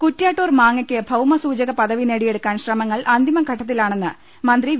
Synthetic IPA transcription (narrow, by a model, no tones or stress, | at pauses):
kutːjaːʈːoːrmaːŋːɐkʲːɨbʱɐwmɐsuːd͡ʑɐɣɐpɐðɐʋineːɽije̞ɽukːaːnɕrɐmɐŋːɐɭʔɐnd̪ʱimɐɡʱɐʈʰːɐt̪ːilaːɳe̞nːɨ | mɐnd̪ri